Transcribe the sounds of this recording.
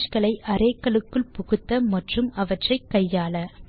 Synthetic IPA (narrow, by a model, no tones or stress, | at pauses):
t͡ʃkɐlɐɪʔɐɾeːkːɐlɯkːɯɭpʊɣɯt̪ːɐmɐʈrɯmɐʋɐʈrɐɪkːɐjːaːlɐ